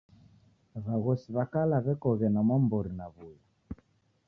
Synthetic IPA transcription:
βaɣɔsiβakalaβɛkɔɣɛnamɔmbɔɾinaβuja

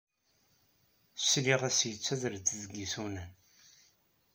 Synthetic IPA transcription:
sliʁæsjət͡sːæðɾt͡sːðəɡisunæn

